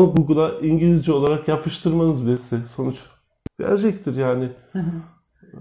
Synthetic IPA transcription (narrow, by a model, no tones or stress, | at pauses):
nɡuɡɯlˠaʔiɲɟilʲizd͡ʒio̞lˠaɾakjapʰɯʃt̪ʰɯɾmanɯzbisɪso̞nut͡ʃ | ɟ̥æ̰ɾd͡ʒɛc̚t̪ʰiɾjaːnɪ